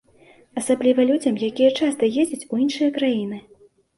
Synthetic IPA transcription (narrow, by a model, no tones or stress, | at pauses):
ɐsablʲivɐlʲud͡zʲɐmjakʲijɛt͡ʂast̪ɐjed͡zʲɐt͡sʲujinʂɨjɐkɾajinɨ